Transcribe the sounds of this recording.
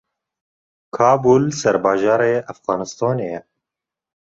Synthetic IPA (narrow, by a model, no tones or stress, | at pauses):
kʰɑːbuːlsɛɾbɑːʒɑːɾeːʔæfɣɑːnɨst̪ɑːneːjɛ